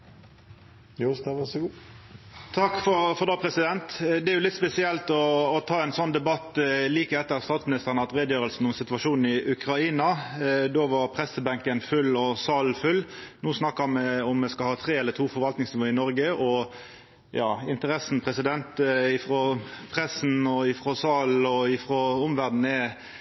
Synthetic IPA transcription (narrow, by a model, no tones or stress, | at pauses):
st̪ɑʋæsɡuː | t̪ʰɑkːfɔɾfɔɾd̪ɑːpʰɾɛsɪd̪ɛnt̪d̪ɛæɾjʊlɪt̪spɛsɪɛlt̪ɔːt̪ʰɑːɛnsɔnːd̪ɛbɑt̪ːliːkəɛt̪ːəʁst̪ɑːt̪smɪnɪst̪əʁənəɑt̪ʁeːd̪jøːɾəlsn̩ɔmsɪt̪ʋɑʂuːnn̩ɪʔʉkɾɑiːnɑd̪oːʋɑɾpʰɾɛsəbæŋkənfʉlɔsɑːlfʉlːnuːsnɑkːəmɛɔmːɛskɑlhɑːt̪ʰɾeːɛlət̪ʰuːfɔɾʋɑlt̪nɪŋsnɪʋoːəɪnɔɾɡəʔɔ | jɑ̰ːɪnt̪əɾɛsn̩pʰɾɛsɪd̪ɛnt̪ɪfɾɔpʰɾɛsn̩ɔɪfɾɔsɑːlɔɪfɾɔʊmʋæʁd̪n̩ɛ